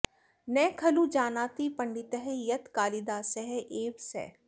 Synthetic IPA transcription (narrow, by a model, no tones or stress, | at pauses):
nɛːkʰɐlud͡ʒaːnaːt̪ipɐ̃ɳɖɪt̪ɦɛjɐt̪kaːlid̪aːsɛɦʔeːʋsɛ̰ː